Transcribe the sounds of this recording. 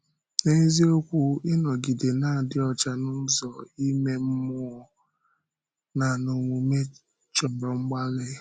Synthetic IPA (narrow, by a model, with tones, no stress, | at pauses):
ne˦zi˦o˦kʷu˦ɪ˦nɔ˨ɡi˨de˨na˦˨a˨dɪ˦ɔ˨t͡ʃa˦nʊ˦n̩˦zɔ˨i˦me˦m̩˦mʊ˦ɔ˦ | na˨no˨ŋʷu˨me˦ | t͡ʃɔ˨bɾɔ˨ŋ͡m̩˦ɡ͡ba˦lɪ˦